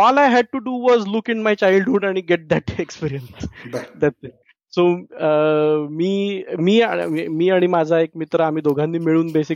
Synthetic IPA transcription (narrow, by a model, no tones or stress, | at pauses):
ɔlajɦæɖ̚ʈuɖuʋɔzlukɪ̃nmajt͡ɕajlɖɦuːɽaɽ̃iɡeʈ̚d̪æʈekspiɾijənsd̪æʈsi | soəmiːmiːa̰imiːaɽ̃imad͡zʱaekmit̪ɾəam̤iːd̪oɡʱãnːiːmiɭuːnbesi